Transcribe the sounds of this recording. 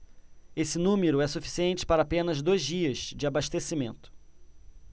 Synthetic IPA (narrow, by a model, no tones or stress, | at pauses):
esɪnũmeɾʊɛsufi̥siẽnt͡ʃɪ̥paɾɐaːpẽnɐzd̪ojzd͡ʒiɐzd͡ʒɪabaʃt̪esimẽnt̪ʊ̥